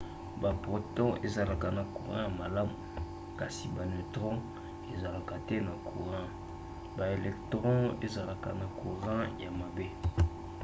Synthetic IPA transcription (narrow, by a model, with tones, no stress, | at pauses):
ba˨po˨to˦e˦za˨la˨ka˨na˨ku˨ʁã˦ja˨ma˨la˦mu˨ | ka˨si˨ba˨ne˨tʁɔ̃˦ | e˨za˨la˨ka˨tɛ˦na˨kʰṵ˨ʁã˦ | ba˨e˨lɛ˨ktʁɔ̃˦e˦za˨la˨ka̰˨na˨ku˨ʁã˦ja˨ma˨be˦